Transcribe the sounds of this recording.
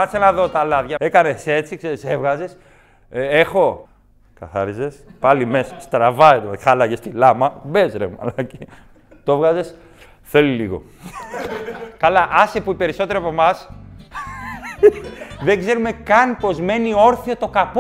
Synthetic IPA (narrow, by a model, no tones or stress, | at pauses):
ɐt̪isenɐðo̞t̪ɐlɐðʝɐe̞kɐne̞se̞t͡sikse̞ɾise̞vɣɐze̞s | e̞xo̞ | kɐ̰θɐ̰ɾize̞spɐlimesst̪ɾɐvɐet̪oxalɐʝest̪ilɐmɐbe̞zɾemɐ̰lɐce | t̪ovɣɐze̞s | θe̞liliɣo̞̰ | kɐlɐʔɐsepuipe̞ɾiso̞t̪e̞ɾiɐpo̞mɐs | ðe̞ŋɡze̞ɾume̞kɐnpo̞zme̞nio̞ɾθiot̪o̞kapo